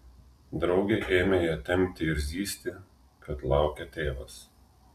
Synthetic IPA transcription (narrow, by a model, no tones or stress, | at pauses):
d̪ɾɒʊɡʲeʔeːmʲejɛt̪ʲɛmʲt̪ʲɪɪɾʲzʲiːsʲt̪ʲɪ | kʰɐt̪lˠɑˑʊkʲɛt̪ʲeːʋɐs